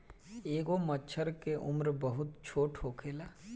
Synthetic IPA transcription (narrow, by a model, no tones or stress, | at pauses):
eːɡomət͡ʃʰəɾkeʔʊmɾbəɦʊt̪t͡ʃʰoːʈʰɦoːkʰeːlaː